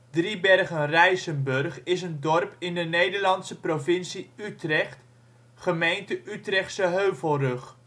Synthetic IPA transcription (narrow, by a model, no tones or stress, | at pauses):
dribɛrχənrɛjsənbɵrχɪs̬əndɔrpɪndənejdəɹlɑntsəprovɪnsiytrɛχt | χəmejntəʔytrɛχtsəɦøɥvəlˠrɵχ